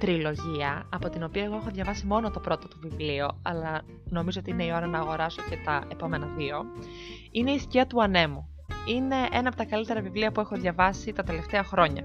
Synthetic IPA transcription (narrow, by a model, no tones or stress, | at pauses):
t̪ɾilo̞ʝiɐːpo̞t̪ino̞piɐe̞ɣo̞e̞xo̞ðʝɐvɐsimo̞no̞t̪o̞pɾo̞t̪ot̪ovivlioɐlɐ | no̞mizoot̪iine̞io̞ɾɐnɐːɣo̞ɾɐso̞ce̞t̪ɐe̞po̞me̞nɐðio̞ | ine̞isciɐt̪uɐne̞mu | ine̞ʔe̞nɐpot̪ɐkɐlit̪e̞ɾɐvivliɐpue̞xo̞ðʝɐvɐsit̪ɐt̪e̞le̞ft̪eɐxɾo̞ɲɐ̰